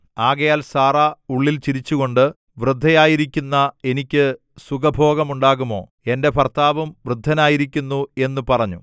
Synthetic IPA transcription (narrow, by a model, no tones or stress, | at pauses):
aːɣɐjaːlsaːrauɭːilt͡ɕiɾit͡ɕːuɣo̞ɳɖɨ | ʋrɨd̪ʱːɐjaːjiɾikʲːunːɐe̞nikʲːɨ | suɣɐbʱo̞ːɣɐmuɳɖaːɣumo̞̰ː | e̞nde̞pɐrt̪ʰaːʋɐmʋrɨd̪ʱːɐnaːjiɾikʲːunːue̞nːupɐrɐɲːu